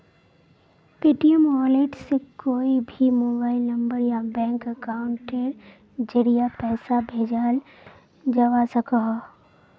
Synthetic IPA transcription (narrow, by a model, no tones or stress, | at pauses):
peːʈijəmɔːleʈsekoːibʱimoːbaːɪlnɐ̃mbəɾjabɛ̃ːŋkəkaːʊɳʈeɾ | d͡ʒəɽijapɛːsabʱeːd͡ʒaːl | d͡ʒɐʋasɐkəɦ